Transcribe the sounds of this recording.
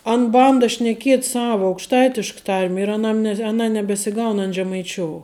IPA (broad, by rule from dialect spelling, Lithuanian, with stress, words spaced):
ɐn ˈbɐndɐ ʃʲnʲɛˈkʲiɛt ˈsɑːʋɐ ɐʊkʃˈtɐɪtʲɪʃk ˈtɐrʲmʲ ɪr ɐˈnɐm nʲɛ ɐˈnɐ nʲɛbʲɛsʲɪˈɡɐʊn ɐn ʒʲɛmɐɪˈt͡ʃʲoːʊ